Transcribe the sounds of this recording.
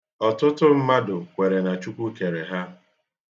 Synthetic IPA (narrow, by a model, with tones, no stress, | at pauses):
ɔ˨tʊ˦tʊ˦m̩˦ma˦dʊ˨kʷe˨ɾe˨na˨t͡ʃu˦kʷu˦ke˨ɾe˨ɦa˦